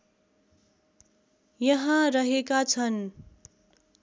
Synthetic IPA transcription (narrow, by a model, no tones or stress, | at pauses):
jʌɦãɾʌɦekat͡sʰʌn